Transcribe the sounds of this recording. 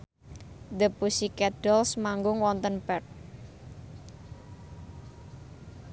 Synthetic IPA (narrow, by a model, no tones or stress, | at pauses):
d̪əpusikɛɖ̥ɔlsmaŋɡʊŋwɔnt̪ənpɛt̪̚